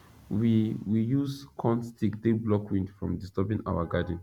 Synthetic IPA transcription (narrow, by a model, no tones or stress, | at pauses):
wiwijuskʰɔ̃ntstikdeblɔkwĩndfɹɔ̰̃mdistɛbĩŋʔa̰waɡadə̃n